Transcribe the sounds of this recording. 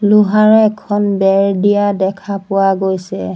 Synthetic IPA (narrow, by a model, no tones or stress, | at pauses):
lʊɦaɹɛɛkʰɔnbɛɹdijadɛkʰapʊwaɡojsɛ